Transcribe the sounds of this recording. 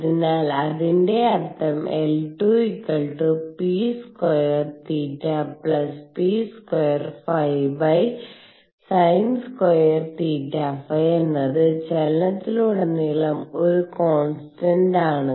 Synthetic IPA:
ɐðinaːlɐðinde̞ɐrt̪ɐmelʈuikːɐɭʈɨpiːskojɐrt̪iːʈːapɭɐspiːskojɐrfɐjbɐj | sɐjnskojɐrt̪iːtːafɐjenːɐðɨt͡ɕɐlɐnɐtt̪ːiluɽɐnːilɐmoɾuko̞ːnsʈɐɳɖaːɳɨ

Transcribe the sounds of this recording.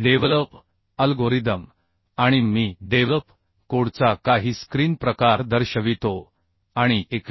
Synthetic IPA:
ɖeʋləp | əlɡoɾid̪əm | aɽ̃imiːɖeʋləp | koɽt͡sakaɦiːskɾiːnpɾəkaɾd̪əɾɕəʋit̪o | aɽ̃iek

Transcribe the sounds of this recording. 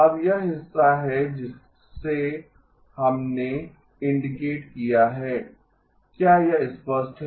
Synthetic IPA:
ɐbjɐɦɪsːaɦɛd͡ʒɪsː | e | hɐmne | ɪ̃ɳɖɪkeːʈkijaɦɛː | kjaːjɐɪspəsʈɦ

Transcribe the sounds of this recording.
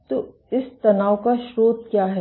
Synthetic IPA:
t̪o | ɪst̪ɐnaːʋkaʃɾoːd̪̚kjaːɦɛ

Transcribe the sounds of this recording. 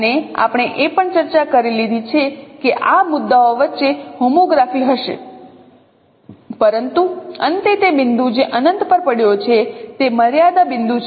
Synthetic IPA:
nea̰pɳ̃eʔepəɳt͡ʃəɾt͡ʃakəɾilid̪ʱit͡ʃʰekeʔamʊd̪ːaoʋətːʃeɦomoɡɾafiɦəʃḛ | pəɾənt̪uə̰nt̪et̪ebɪnd̪ũd͡ʒeʔənənt̪pəɾpəɽjot͡ʃʰet̪eməɾjad̪abɪnd̪ut͡ʃʰ

